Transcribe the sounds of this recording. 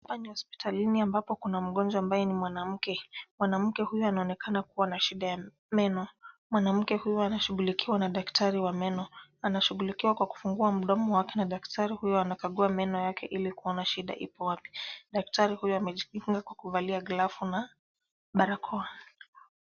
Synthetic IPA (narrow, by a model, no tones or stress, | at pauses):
hapanihɔspi̥tʰaliniambapɔkunam̩ɠɔnd͡ʒwaambajɛnimwanam̩kɛmwanam̩kɛhujɔanaɔnɛkʰanakuwanaʃiɗaja | mɛnɔmwanam̩kɛhujɔanaʃuɣulikʰiwanaɗaktaɾiwamɛnɔanaʃuɠulikiwakwaku̥fuŋɡuam̩ɗɔmɔwakɛnaɗaktʰaɾihujɔanakaɠuamɛnɔjakʰɛʔilikuɔnaʃiɗa̰ʔipɔwapi̥ɗak̚taɾihujuamɛʄiuŋɡakwakuvaliaɡlafuna | ɓaɾakʰɔa